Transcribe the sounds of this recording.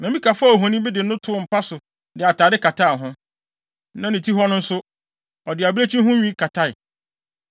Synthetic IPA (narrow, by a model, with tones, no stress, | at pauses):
nã˨mĩ˦kʰa˨fa˦o˨ɦɔ̃˨nĩ˦bɪ˦dɪ˨n̩˦nʊ̃˦tʰʊ˦ʊ˦˨m̩˨pa˦sʊ˨ | dɪ˨a˨taː˨dɪ˦kʰa˨tʰa˦˨ɦʊ̃˦ | nã˨nĩ˨tʰi˦ɦɔ˦nʊ̃˦n̩˦sʊ˦ | ɔ˨dɪ˨a˨bɾe˦t͡ɕʰĩ˦ɦʊ̃˦ɲᶣĩ˦kʰa˨tʰa˦ɪ˨